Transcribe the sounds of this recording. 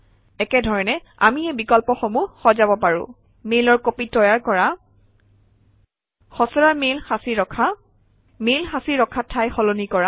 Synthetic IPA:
ɛkɛdʱɔɹɔnɛ | a̰miɛbikɔlpɔxomuxɔzabɔpaɹʊ̰̃ | melɔɹkopitːɔjaɹkɔɹa | xɔsɔɹamelasiɹɔkʰa | melxasiɹɔkʰatʰːajxɔlonikɔɹa

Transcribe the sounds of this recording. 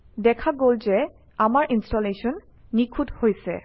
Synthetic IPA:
dɛkʰaɡolzɛ | amaɹʔinstɔleʃɔnː | ikʰuthojsɛ̰

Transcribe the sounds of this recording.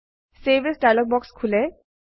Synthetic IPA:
sebesdajlɔk̚bɔkskʰulɛ

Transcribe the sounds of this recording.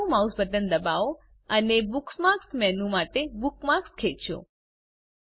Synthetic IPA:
ũmausbəd̪ənd̪əbao | ənebuksmaksmɛnũmaʈebukmakskʰet͡ʃõ̰

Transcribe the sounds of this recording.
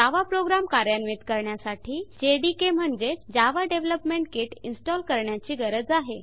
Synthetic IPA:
aʋapɾoɡɾamkaɾjanʋit̪kəɾɳjasaʈʰiːd͡ʑeɖikem̤əɳd͡zed͡ʑaʋaɖeʋləpmeɳʈkeʈinsʈɔlkəɾɳjat͡ɕiːɡəɾəd͡zaɦe

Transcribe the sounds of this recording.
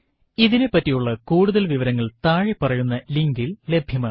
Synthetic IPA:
iðinepːɐtːijuɭːɐkuːɽuðɐlʋiʋɐɾɐŋːɐɭt̪aːɻipɐrɐjunːɐliŋɡille̞bʱjɐmaːɨ

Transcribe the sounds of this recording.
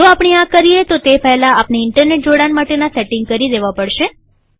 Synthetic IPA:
d͡ʒoapɳiãkəɾijet̪ot̪epɛɦlaːpniɪɳʈəɾneʈ̚d͡ʒoɽanmaʈenasɛʈɪŋɡ̚kəɾid̪eʋapəɽʃe

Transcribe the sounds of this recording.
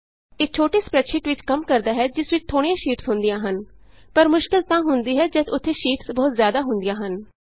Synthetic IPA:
et͡ʃʰoːʈiːspɾɛʈʃɪʈʋɪt͡ʃkəmkəɾd̪aːɦɛːd͡ʒɪsʋɪt͡ʃt̪ʰːoːɽ̃ĩjãːʃiːʈsɦʊnd̪ɪjãːɦənpəɾmʊʃkɪlt̪ãːɦʊnd̪iːɦɛːd͡ʒət̪ʊt̪ʰːeːʃiːʈsbɔːt̪zjaːd̪aːɦʊnd̪ɪjãːɦən

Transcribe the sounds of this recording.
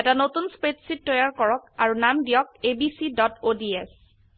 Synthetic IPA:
ɛtanotunspɹetsit̚ːɔjaɹkɔɹɔk̚aɹunamdijɔk̚ebisidɔtodiɛs

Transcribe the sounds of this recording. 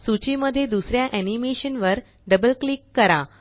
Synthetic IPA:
sut͡ɕiməd̪ʱːjed̪usɾjaʔænimeɕənʋəɾ | ɖəbəlklikːəɾa

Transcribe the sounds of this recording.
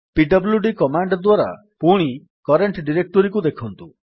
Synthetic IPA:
piɖɔbljuɖikɔmaɳɖɔd̪waɾa̰ | puɽ̃i | kɔɾeɳʈɖiɾek̚ʈɔɾikud̪ekʰɔnt̪u

